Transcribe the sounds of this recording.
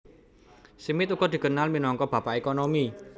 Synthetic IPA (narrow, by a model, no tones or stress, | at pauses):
simɪt̪ukɔd̪̥i̤kənalminɔŋkɔb̥ä̤paʔekonomi